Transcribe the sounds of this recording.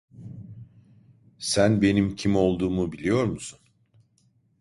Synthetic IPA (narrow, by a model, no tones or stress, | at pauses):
sænbe̞nimcʰimo̞lˠd̪uːmubilʲijo̞ɾmusun